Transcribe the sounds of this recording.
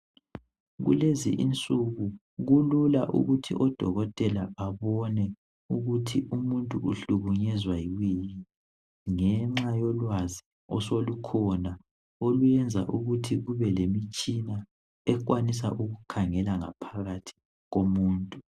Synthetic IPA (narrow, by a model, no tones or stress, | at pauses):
ɣṵlezḭʔḭnt͡sʼuɣu | ɣululaʔṵɣutʰḭʔɔd̥ʱɔɣɔtʼɛlaaβɔnɛ | uɣutʰiʔumuntʼuuɬuɣuɲɛzwajiwini | ŋɛŋ͡ǁajɔlwazi | ɔsolukʰɔna | olujɛnd͡zʱa̰ʔuɣutʰiɣuβɛlemit͡ʃʼina | ɛk̬ʼwanisa̰ʔuɣukʰaŋɛlaŋapʰaɣatʰi̥ | ɣomuːntʼu